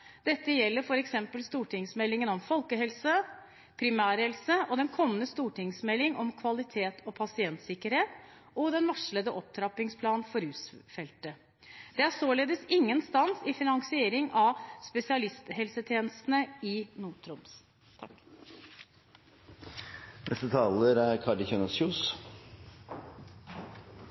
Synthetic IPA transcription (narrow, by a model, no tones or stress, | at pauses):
d̪̥ɛt̪ːəjɛlːəɾfɔɾɛksɛmpəlst̪uːʈʰɪŋsmɛlːɪŋənɔmfɔlkəɦɛlsə | pʰɾɪmæːɾhɛlsəʔɔd̪ɛnkʰɔmːənəst̪uːʈɪŋsmɛlːɪŋɔmkʰʋɑlɪt̪ʰeːt̪ʰɔpʰɑsɪɛnt̪sɪkːəɾheːt̪ɔd̪ɛnʋɑʂləd̪əʔɔp̚t̪ʰɾɑpːɪŋspʰlɑːnfɔɾʉːsfɛlt̪ə | d̪̥ɛæsoːleːd̪əsɪŋːənst̪ɑnsɪfɪnɑŋsɪeːɾɪŋʔɑspɛsɪɑlɪst̪hɛlsət̪ʰjeːnəst̪ənəɪnuːʈʰɾɔms | t̪ʰɑk | nʔɛst̪ət̪ʰɑːləɾæɾkʰɑɖəçønɑsuːs